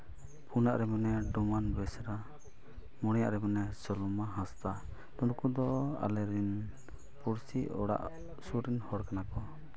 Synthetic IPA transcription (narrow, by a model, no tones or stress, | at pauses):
pʰunaʔɾɛmanɛɖɔmanbɛsɾa | mɔɽ̃ɛja̰ʔɾɛmanɛsɔlɔmaɦãst̪a | t̪ɔnkud̪ɔa̰lɛɾin | puɾsiʔɔ̰ɽa̰ʔ | suɾinhɔɾkanakɔ